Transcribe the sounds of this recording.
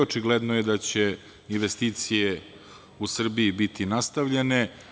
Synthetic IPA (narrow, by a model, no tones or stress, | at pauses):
ot͡ʃiɡled̪nojed̪at͡ɕe̞ | inʋest̪iːt̪sije | usr̩biibit̪inast̪aʋʎene̞